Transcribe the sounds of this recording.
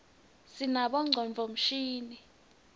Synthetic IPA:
sinaɓɔŋ͡ǀʱɔnvʱɔm̩ʃiːni

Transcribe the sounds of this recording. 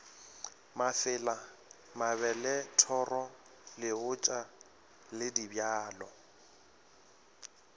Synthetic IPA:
mafɪla | maβɛlɛtʰɔrɔ | lɪʊt͡ʃʼa | lɪdibjaːlɔ

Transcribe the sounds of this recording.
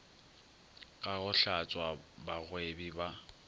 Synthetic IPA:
ɣʼaɣʊɬat͡sʼwabaɣwebiba

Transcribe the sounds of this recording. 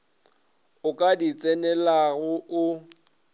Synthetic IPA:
ʊkʼadit͡sʼɛnɛlaɣʊʊ

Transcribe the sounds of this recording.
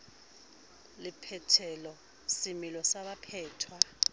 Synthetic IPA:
lipʰɛtʰɛlɔ | similɔsaɓapʰɛːtʰwa

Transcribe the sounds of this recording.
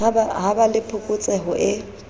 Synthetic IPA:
abaɦabalɪpʰʊkʼʊt͡sʼɛɦʊʔɪ

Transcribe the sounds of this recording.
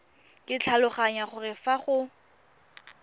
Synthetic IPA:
kʼɪt͡ɬʰalʊχaɲaχʊrɪfaχʊ

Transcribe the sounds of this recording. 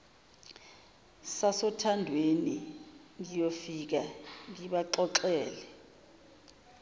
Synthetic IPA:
sasɔtʰandʱweniŋijofik̬aŋiɓaǃɔǁɛːlɛ

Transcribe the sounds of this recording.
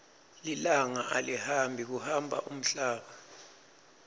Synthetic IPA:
lilaŋaʔalihambʱik̬uhambʱa̰ʔum̩ɬaːɓa

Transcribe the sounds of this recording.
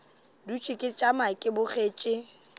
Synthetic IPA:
dut͡ʃʰʼɪkʼɪt͡ʃʼamaɪkʼɪbʊχeːt͡ʃʼɪ

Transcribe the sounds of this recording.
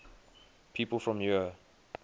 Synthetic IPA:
pʰiːˑpəlˠfɹɔ̃mju

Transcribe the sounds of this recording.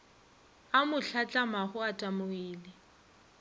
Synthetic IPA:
amʊɬʰat͡ɬʼamaχʊatʼamʊiːlɪ

